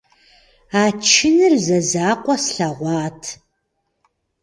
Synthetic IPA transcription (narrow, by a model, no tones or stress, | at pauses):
aːt͡ʃʰɪnɨrzɐzaːqʷʼɔsɬɐʁʷɑːtʰ